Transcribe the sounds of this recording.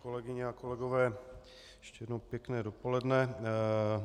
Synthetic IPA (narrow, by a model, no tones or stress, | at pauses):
ko̞lɛɡɪɲɛakolɛɡo̞vɛː | jɛʃcɛjɛdnowpjɛknɛːdo̞po̞lɛdnɛ